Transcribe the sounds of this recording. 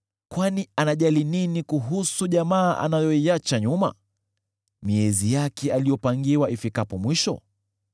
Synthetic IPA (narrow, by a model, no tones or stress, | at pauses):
kwanianaʄalininikuɦusuʄamaːʔa̰najɔiat͡ʃaɲuma̰ | miɛzijakɛalijɔpaŋɡiwaʔifikapɔmwiʃɔ̰